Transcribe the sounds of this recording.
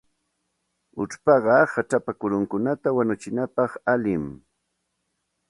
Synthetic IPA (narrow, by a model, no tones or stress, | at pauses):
ʊ̰ʈ͡ʂpɑɢɑhaʈ͡ʂapakʊɾʊŋkʊnat̪awanʊt͡ʃɪnapɑχalɪm